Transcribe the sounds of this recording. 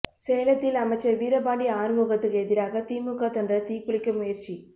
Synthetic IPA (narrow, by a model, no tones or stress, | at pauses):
seːlɐt̪ːɪlɐmɐɪt͡ʃːɐʋiːɾɐbaːɳɖiaːɾɯmuːɣɐt̪ːɯkɛðɪɾaːɣɐt̪iːmɯkːat̪ɐndrɐt̪iːkːʊɭɪkːɐmʊjɐɾt͡ʃi